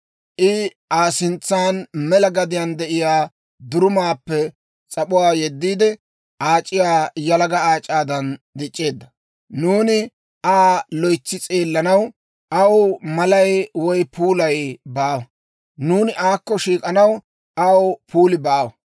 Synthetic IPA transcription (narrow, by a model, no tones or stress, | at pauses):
ʔɪ | aːsɪnt͡sːaːnmɛlɐɡɐd̪ɪjɐnd̪ɛʔɪjaː | d̪ʊɾʊmaːpːɛ | t͡sʼɐɓʊwaːjɛd̪ːiːd̪ɛ | ʔaːt͡ʃʼːɪjaːjɐlɐɡɐaːt͡ʃʼːaːd̪ɐnd̪ɪt͡ʃʼːe̞ːd̪ːɐ̥ | nuːnɪ | ʔaːlɔjt͡sːɪt͡sʼeːlːɐnɐw | ʔɐwmɐlɐjwɔjpʰuːlɐjbaːwɐ | nuːnɪʔaːkːɔʃiːkʼɐnɐw | ʔɐwpʰuːlɪbaːwɐ